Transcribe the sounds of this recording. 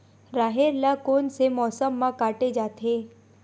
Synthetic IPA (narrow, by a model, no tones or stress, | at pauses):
ɾaːɦeɾlakoːnsemɔːsəmːãkaːʈed͡ʒaːt̪ʰe